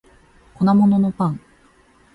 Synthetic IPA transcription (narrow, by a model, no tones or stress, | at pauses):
ko̞namo̞no̞no̞pãŋ